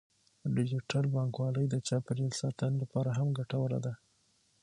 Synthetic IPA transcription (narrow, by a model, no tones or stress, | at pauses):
ɖɪd͡ʒɪʈalbɑŋkwɑləjd̪ət͡ʃɑpəɾilsɑt̪anlapɑɾaɦamɡaʈawəla̰d̪a